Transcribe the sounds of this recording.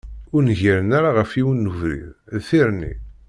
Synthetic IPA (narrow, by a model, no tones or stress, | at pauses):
ʊɾnʝiɾənaɾaʁəfiwnːuvɾḭððθiɾnḭ